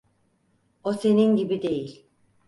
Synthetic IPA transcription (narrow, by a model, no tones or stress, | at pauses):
ose̞ninɟibid̪e̞jilʲ